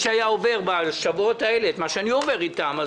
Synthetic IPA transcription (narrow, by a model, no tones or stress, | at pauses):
ʃeajao̞ve̞ʁbaʃavuotae̞le̞et̪maʃeaniove̞ʁitama